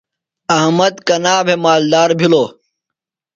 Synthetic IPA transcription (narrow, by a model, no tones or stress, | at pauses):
ɐɦmɐd̪kɐnaːbʱemaːld̪aːɾbʱiloː